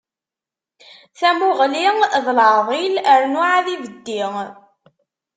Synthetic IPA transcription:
θæmʊʁliŋðlʕðˤiləɾnʊʕaðivəd̪ːiŋ

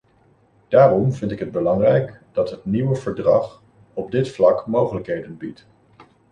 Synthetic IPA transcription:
d̥aːrɔmvɪntɪkɦəd̚bəlɑŋrɛjkd̥ɑtɦətniwəvəɹdrɑ̰χ | ɔb̚dɪtflɑkmowχələkɦejdənbit

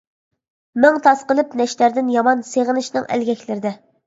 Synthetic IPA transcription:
mɪŋt̪ʰɑsqəlˠɨpnɛʃlæɾd̪ɪnjɑmɑnseʁənɨʃnɨŋæ̰lɡʲɛkʲlɪɾɪd̪ɛ

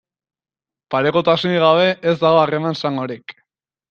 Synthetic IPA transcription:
paɾe̞ko̞t̪asoniɣ̞aβ̞e̞ʔezd̪aɣ̞o̞are̞mansaŋɡo̞ɾik

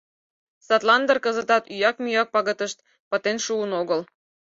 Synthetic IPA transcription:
sɑt̪lɑnd̪ə̆rkəzət̪ɑt̪yjɑkmyjɑk̚pɑɣət̪əʃt̪̚ | pət̪enʃuənoɣəl

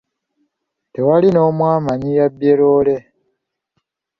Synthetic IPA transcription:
te̞walino̞ːmwaːmaɲijabje̞lo̞ːle̞

